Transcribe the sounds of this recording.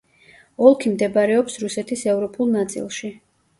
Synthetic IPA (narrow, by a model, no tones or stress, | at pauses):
ɔlˠkʰimd̪ɛbaɾɛɔpsɾusɛt̪ʰisɛvɾɔpʼulˠnat̪sʼḭlˠʃi